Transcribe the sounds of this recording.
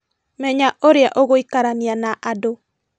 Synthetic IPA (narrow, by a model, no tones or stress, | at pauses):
mɛɲaʔoɾeaʔoɣoikaɾanianaʔado